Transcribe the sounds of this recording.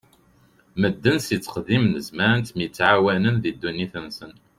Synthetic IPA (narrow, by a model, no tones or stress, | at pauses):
məd̪ːənsit͡sːə̥qðimnəzmæɾənt̪miət͡sːʕawænənðid̪ːunːiθənsən